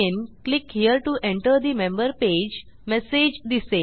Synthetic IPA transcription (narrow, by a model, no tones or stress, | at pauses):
enklikhiəɾʈuʔẽɳʈəɾd̪imẽmbəɾped͡ʑ | mɛsed͡ʑd̪ise